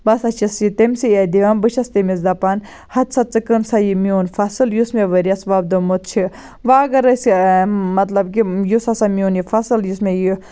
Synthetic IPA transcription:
bɐsɐt͡ʃʰisjit̪emʲsied̪iʋɐmbɨt͡ʃʰɐst̪emisd̪ɐpɐn | hɐt̪sɐt͡sɨkɨnsajimioːnfɐsɨljusmeʋəɾiɐsʋab̚d̪omot̪̚t͡ʃʰi | ʋaːɡɐɾɐsmɐt̪lɐbkijusɐsamioːnjifɐsɨljusmeji

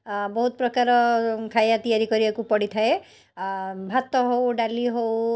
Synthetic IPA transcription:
bɔɦut̪ɔpɾɔkaɾɔkʰajat̪ijaɾikɔɾibakupɔɽit̪ʰae | bʱat̪ɔɦowɖaliɦow

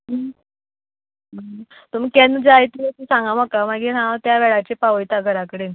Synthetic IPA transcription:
ɦə | ə | t̪um̤ikɛnd͡zajt̪iət̪isãŋɡamakamaɡiːɦãt̪jaʋɛɭat͡ɕepaʋəjt̪aɡʱəɾakəɽen

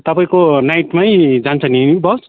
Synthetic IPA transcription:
t̪ʌpaĩkonajʈmajd͡zant͡sʰʌninibʌs

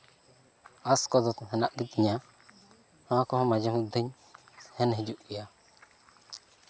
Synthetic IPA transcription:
askɔdɔt̪hɛnaʔɡit̪iɲa | hãkɔhɔmad͡ʒamud̪əɲ | hɛnɦid͡ʒuʔija

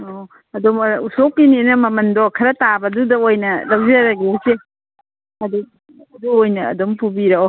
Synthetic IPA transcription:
o | ɐdomusokːinenɐmɐmɐndɔkʰɐɾɐtabɐdudɐojnɐlɐwzɐɾɐɡese | ɐdu | ɐduojnɐ̰ːdompubiɾɐo

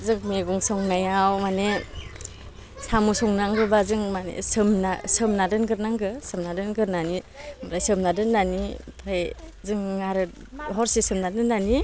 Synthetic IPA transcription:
zɯŋmeɡuŋsɔŋnajawmane | samusɔŋnaŋɡɯbazɯŋmanḛsɯmna̰sɯmnadɯnɡɯɾnaŋɡɯsɯmnadɯnɡɯɾnanimaɾajsɯmnadɯnːanipʰɾajzɯŋːaɾɯ | ɦɔɾsisɯmnadɯnːani

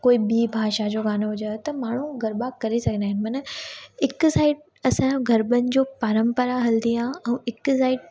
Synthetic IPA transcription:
koːiɓiːbʱaːʃad͡ʑoːɡaːnoɦʊd͡ʑət̪ɐmaːɳ̤ũɡʱɐɾbakɐɾesɐɡʱə̃nd̪aːɦɪnɪ̆mɐnəɪksaːɪʈ̚ | ɐsãɡʱɐɾbənɪ̆d͡ʑoːpaːɾə̃mpəɾaɦɐld̪iaɛ̃ɪksaːɪʈ̚

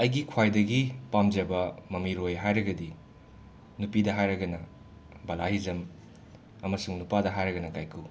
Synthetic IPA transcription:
ɐjɡikʰwajdɐɡipamd͡ʒɐbɐmɐmiɾojɦajɾɐɡɐdi | nupidɐɦajɾɐɡɐnɐ | bɐlahizɐm | ɐmɐsuŋnupadɐɦajɾɐɡɐnɐkajkʰu

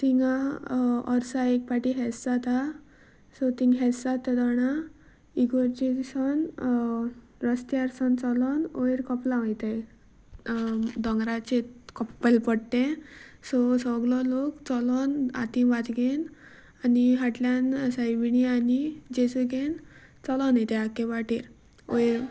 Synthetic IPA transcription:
t̪iŋɡa | ɔɾsaek̚paʈiɦɛsat̪a | sɔt̪iŋɡɦɛt͡ssat̪ːad̪ɔɽ̃a | iɡɔɾd͡ʑesɔn | ɾəst̪jaɾsɔnt͡sɔlɔnoiɾkɔplãʋəjt̪e | d̪ɔ̃ŋɡɾat͡ɕekɔpːelpəɽt̪ẽsɔsɔɡlɔlokt͡sɔlɔna̰t̪ĩʋat̪ɡen | aniɦaʈljansajʋinianid͡ʑesəɡen | t͡sɔlɔnajt̪eakeʋaʈʰiɾ | o̰jɾ

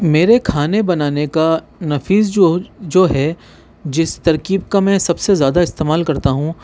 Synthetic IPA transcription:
meːɾekʰaːnebɐnaːneka | nɐfiːzod͡ʒoːɦɛ | d͡ʒɪst̪ɐɾkiːb̚kamɛ̃ːsɐbsezjaːd̪aɪst̪eːmaːlkɐɾt̪aɦũ

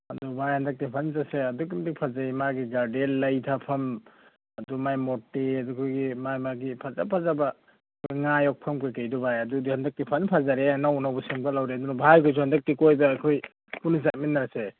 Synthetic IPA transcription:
ɐdubajhandak̚tipʰanzaseɐdukimdik̚pʰazajmaɡiɡaɾdelːajtʰapʰɐm | adumajmɔtːeadukʰɔjɡimajmaɡipʰaza̰pʰazaba | kʰɔɡŋajɔk̚pʰɐmkʰajkajdubʱajɐdudihandak̚tipʰanpʰazaɾenawnawbusiŋbalawɾeɐdunɔbʱajkʰɔjs̬uhɐndɐk̚tikojbɐːjkʰoj | punizat̚minːaɾase

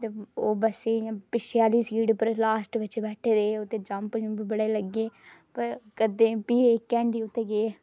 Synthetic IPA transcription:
t̪eːoːbəseːjãːpɪʃjaːliːsiːɖpəɾlaːsʈʋɪt͡ʃbɛːʈʰeːd̪eːot̪ːeːd͡ʒəmpd͡ʒũːbiːbəɽeːləɡːeːpəɾkəd̪eːpiːkːɛ̃ːɳɖiːʊt̪ːeːɡeː

